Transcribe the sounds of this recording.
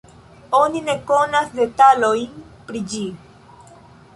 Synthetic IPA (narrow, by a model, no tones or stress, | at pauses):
o̞nine̞ko̞nasde̞talo̞jn | pɾid͡ʒi